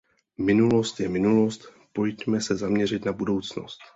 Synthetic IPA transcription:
mɪnulo̞st̪jɛmɪnulo̞st̪ | po̞jc̪mɛsɛzamɲɛr̝ɪt̪nabudo̞wt͡sno̰st̪

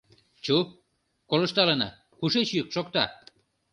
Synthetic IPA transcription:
t͡ɕu | koləʃt̪ɑlənɑ̰ | kuʃet͡ɕkʃokt̪ɑ

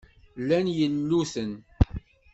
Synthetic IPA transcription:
lːænjənːuθən

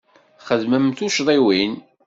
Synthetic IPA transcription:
χəðməmθuʃðˤiwin

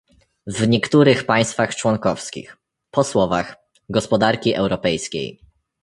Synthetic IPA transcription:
vɲɛkt̪uɾɘxpaj̃st̪faxt͡ʂwɔŋkɔfskʲḭx | pɔswɔvax | ɡɔspɔd̪aɾkʲiʔɛwɾɔpɛjskʲḛj

